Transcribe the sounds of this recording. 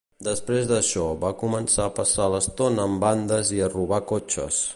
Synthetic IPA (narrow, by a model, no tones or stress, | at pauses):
d̪əspɾezðəʃɔβakumənsaəpəsaləst̪onːmband̪əziəruβakot͡ʃə̰s